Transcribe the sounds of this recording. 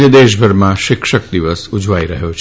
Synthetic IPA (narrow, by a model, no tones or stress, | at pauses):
əd̪eʃ̬bʱəɾmãʃɪkʃək̚d̪iʋəsud͡ʒʋaiɾəɦjot͡ʃʰ